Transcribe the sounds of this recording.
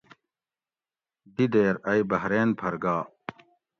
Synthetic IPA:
d̪id̪eːɾɐjbɐɦɾeːnpʰɐɾɡaː

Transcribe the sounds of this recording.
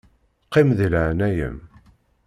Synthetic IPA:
qːimðləʕnæjə̰m

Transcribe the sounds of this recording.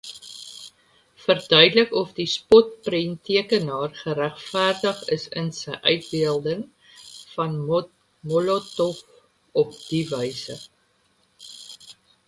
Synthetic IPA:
fərdœɥdələkɔfdispɔt̚printiəkənɑːrχəɾæχfæːrdəχə̰sə̰nsəjʔœɥt̚biəlˠdəŋ | fɐn | mɔlotɔf | ɔp̚d̥ivəjsə̰

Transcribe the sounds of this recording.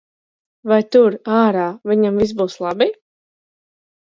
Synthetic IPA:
vajt̪uɾaːɾaːvʲiɲamvis̬buːslˠɑbi

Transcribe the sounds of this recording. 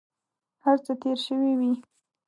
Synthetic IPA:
haɾt͡sət̪eɾʃəwiwi

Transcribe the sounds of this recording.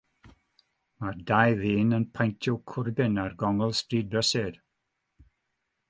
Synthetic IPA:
mardajðiːnənpʰajntʰjɔwkʰʊrbɪnarɡɔŋəlˠstriːd̚bəsɪd̥

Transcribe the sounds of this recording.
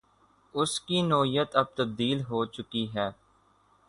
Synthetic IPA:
ʊskinoːijət̪ɐb̚t̪ɐb̚d̪iːlɦoːt͡ʃʊkiɦɛː

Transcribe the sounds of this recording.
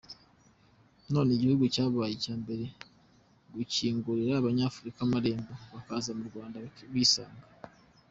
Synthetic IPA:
no̞ːneɟihuɡucaːβaːjecaːmbe̞ɾe̞ | ɡuciːŋɡuɾiɾaːβaɲaːfuɾikamaɾeːmboβakaːzamuɾɡwaːndaβiːsaːŋɡa

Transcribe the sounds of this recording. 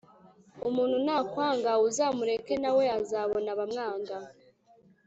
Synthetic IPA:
umuːnhunaːkwaːŋɡauzaːmuɾe̞ke̞nawe̞azaːβo̞naβamŋaːŋɡa

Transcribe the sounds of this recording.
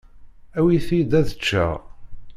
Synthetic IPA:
æwiθid̪æðət͡ʃːæ̰

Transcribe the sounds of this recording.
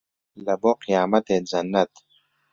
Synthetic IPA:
lɐboqijaːmɐt̪ezɐnːɐt̪

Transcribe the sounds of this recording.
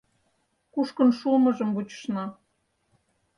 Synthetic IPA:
kuʃkənʃulmɤ̆ʒə̆mβut͡ɕə̥ʃnɑ

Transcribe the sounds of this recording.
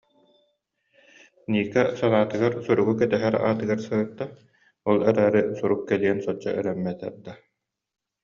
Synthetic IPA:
niːkɛsanaːt̪ɯɡaɾsuɾuɡukɛt̪ɛɦɛɾa̰ːt̪ɯɡaɾsɯɯt̪ːa | ɔlˠɛɾaːɾɯsuɾukːɛliɛnsɔt͡ɕːa̰ʔœɾɛmːɛt̪ɛ̰ɾd̪a

